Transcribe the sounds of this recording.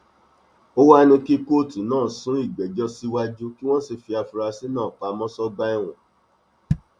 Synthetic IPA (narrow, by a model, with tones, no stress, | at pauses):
o˦wa˦ɛ˧nĩ˧ki˦ko˦˨ti˨˦nãː˦˨sũ˦i˦˨ɡ͡bɛ˨d͡ʒɔ˦si˦wa˦d͡ʒu˦ki˦w̃ɔ̃˦si˧fi˧a˧fu˧ɾa˧si˦nãː˦˨k͡pa˧mɔ̃˦sɔ˦ba˦i˧w̃ɔ̰̃˨